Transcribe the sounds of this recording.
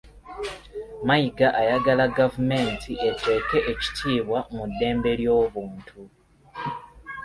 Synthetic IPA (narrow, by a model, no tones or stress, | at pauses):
maiɡaʔajaɡalaɡavume̞ːntʰiʔe̞te̞ːke̞ʔeci̥tʰiːβwamudːe̞ːmbe̞ɾjo̞ːβuːntʰu